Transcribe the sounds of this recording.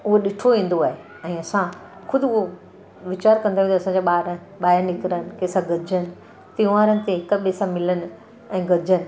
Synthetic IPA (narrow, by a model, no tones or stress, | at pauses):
ʊɦoɗɪʈʰoʋĩːn̆d̪oaːɦe | ɛ̃ːɐsãxʊd̪ʱɪo | ʋɪt͡ɕaːɾkɐ̃nd̪aʋĩːnd̪ɐsãɲd͡ʑaɓaːɾənɓaːɪnɪkɪɾənɪ̆kesãɡɐd͡ʑʱənɪ̆ | t̪ĩʋaːɾənɪ̆t̪eɦɪkəɓesãmɪlənɪ̆ | ɛ̃ːɡɐd͡ʑʱənɪ̆